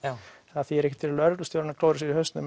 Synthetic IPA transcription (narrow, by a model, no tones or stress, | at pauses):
aθiɛɾɛhcːɪt̪ʰɪllœɾt̪lʏst̪jowɾɪnklowɾɪsɪɾihœst̪nʏm